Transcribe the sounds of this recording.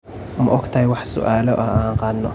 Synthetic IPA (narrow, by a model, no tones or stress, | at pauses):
mʊʔɔɡt̪ʰɐɦɛjwɑħsʊ̰ʔaːlɔʔɐaaːɴqɑːd̪nɔ